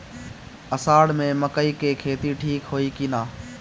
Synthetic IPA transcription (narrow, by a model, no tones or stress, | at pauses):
əsaːɽmẽːməkəiːkeːkʰeːt̪iʈʰiːkɦoːiːkiːnaː